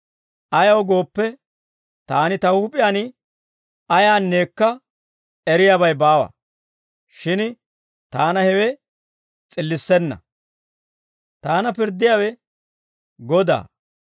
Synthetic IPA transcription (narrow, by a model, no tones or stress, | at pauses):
ʔɐjɐwɡo̞ːpːɛ | t̪aːnɪt̪ɐwhʊpʼɪjaːnɪ | ɐjaːnːe̞ːkːɐ | ɛɾɪjaːbɐjbaːwɐ̰ | ʃɪn | t̪aːnɐhɛwɛ | t͡sʼɪlːɪsːɛnːɐ̰ | t̪aːnɐpɪɾd̪ːɪjaːwɛ | ɡɔd̪a̰ː